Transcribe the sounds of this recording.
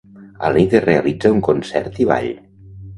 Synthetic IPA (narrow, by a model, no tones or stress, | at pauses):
a̰liðerealid͡zauŋkonsɛ̰ɾt̪iβa̰ʎ